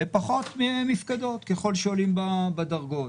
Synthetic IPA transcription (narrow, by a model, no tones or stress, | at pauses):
epaχo̞t̪memːifkad̪o̞t̪keχo̞lʃeolimbabadaʁɡo̞